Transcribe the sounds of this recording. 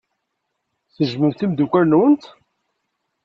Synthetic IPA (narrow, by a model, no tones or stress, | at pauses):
θəʒməɾθimd̪ukʷæɾnwənt̪